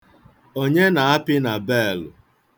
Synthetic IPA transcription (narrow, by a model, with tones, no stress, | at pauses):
o˦ɲe˦na˨a˦pɪ˦na˨be˦˨lʊ̰˨